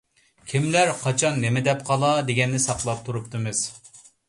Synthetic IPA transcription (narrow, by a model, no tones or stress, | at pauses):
kʲʰimlæɾqʰɑt͡ʃʰɑnːemɪd̪ɛp̚qʰɑlˠɑd̪eɡʲɛnːɪsɑqlˠɑp̚t̪ʰuɾupt̪ɨmɨz̥